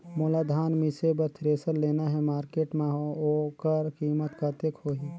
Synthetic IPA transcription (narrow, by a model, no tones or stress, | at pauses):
moːlaːd̪ʱaːnmɪsebət̪ʰɾeːsəɾleːnaɦɛmaːɾkeːʈmẽɦooːkəɾkiːmət̪kat̪ekɦoːɦi